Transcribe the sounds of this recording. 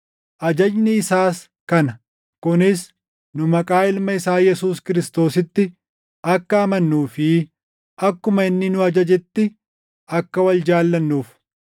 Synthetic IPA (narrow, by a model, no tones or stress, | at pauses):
ʔɐd͡ʒɐd͡ʒnɪːsaːs | kɐnɐ | kʊnɪs | nʊmɐkʼaːɪlmɐɪsaːjɛsuːskɪɾɪst̪o̞ːsɪt̪ːɪ | ɐkːɐːmɐnːuːfɪ | ʔɐkːʊmɐɪnːɪnʊɐd͡ʒɐd͡ʒɛt̪ːɪ | ɐkːɐwɐld͡ʒaːlːɐnːuːf